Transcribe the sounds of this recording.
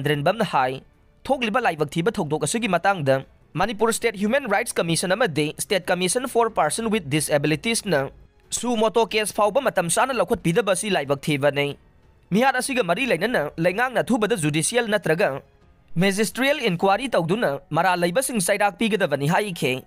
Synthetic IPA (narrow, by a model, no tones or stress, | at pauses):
nd̪ɾenbɐmnɐhaj | tʰok̬̚libɐlajbɐk̚tʰibɐtʰɐw̚dokɐsuɡimɐtaŋdɐ | mɐnipuɾstet̚ɦjumenɾajt̚skɐmisɐnɐmɐdistet̚kɐmisɐnpʰoɾpɐɾsɐnwit̪̚disebilitisnɐ | sumotokespʰawbɐmɐtɐmsanɐlɐwkʰɐt̚pidɐbɐsilajbɐk̚tʰibɐni | mijatɐsiɡɐmɐɾilɐjnɐnɐlɐjŋak̚nɐːtʰubɐdɐd͡ʒudisielnɐt̪ɾɐɡɐ | med͡ʒistɾielenkwaɾitɐwdunɐmɐɾalɐjbɐsiŋt͡ʃɐjɾak̚piɡɐdɐbɐniɦajkʰe